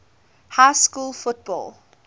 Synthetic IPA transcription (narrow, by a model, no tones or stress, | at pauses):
haɪskuːlˠfʊt̚b̥ɔ̰lˠ